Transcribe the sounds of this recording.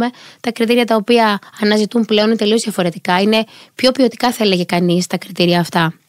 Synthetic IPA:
me̞t̪ɐkɾit̪iɾiɐt̪ɐo̞piɐɐnɐzit̪umple̞o̞nit̪elioðiɐfo̞ɾe̞t̪ikɐine̞pço̞pio̞t̪i̥kɐθɐele̞ʝe̞kɐnist̪ɐkɾit̪iɾiɐːft̪ɐ

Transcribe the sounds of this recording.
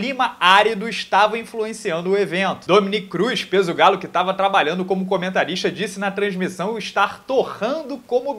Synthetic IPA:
lĩmɐaɾid̪ʊɪʃt̪avɐĩfluẽsiɐ̃nd̪ʊʊevẽnt̪ʊ̥d̪õminikkɾujʃpezʊɡalʊkɪt̪avɐt̪ɾabaʎɐ̃nd̪ʊkõmʊkõmẽnt̪aɾiʃt̪ɐd͡ʒisɪnɐt̪ɾɐ̃zmisɐ̃w̃ʊɪʃt̪aɾt̪oʁɐ̃d̪ʊkõmʊ

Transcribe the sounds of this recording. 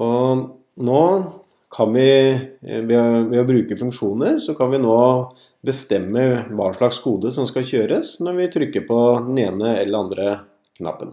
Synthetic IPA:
ɔ | noː | kʰɑnʋɪ | ʋɛʋɛɔbɾʉːkəfʉŋkʂuːnəɾsɔkʰɑnʋɪnoː | bəst̪ɛmːəbɑːɳʂɭɑɡshuːd̪əsɔmskɑçøːɾəsnɔɾʋɪt̪ʰɾʏkːəɾpʰɔd̪ɛneːnəɛlːəɾɑnd̪ɾə | kʰnɑ̰pːə̰n

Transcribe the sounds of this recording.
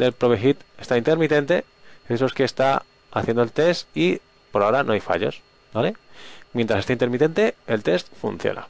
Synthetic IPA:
d̪elpɾoβexit̪est̪aint̪e̞ɾmit̪e̞nt̪e̞ | esoske̞st̪a | aθjend̪oelt̪e̞st̪i | po̞ɾaoɾanʔoajfa̰ʎo̞̰s | bale̞mjnt̪ɾasest̪aint̪e̞ɾmit̪e̞nt̪e̞elt̪e̞st̪fṵnθjo̰nʔa̰

